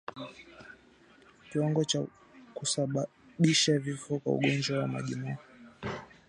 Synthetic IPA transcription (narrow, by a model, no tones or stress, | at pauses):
kiwaŋɡɔt͡ʃa | kusaɓa | ɓiʃavifɔkwa̰ṵɠɔnd͡ʒwawama̰ʄimɔ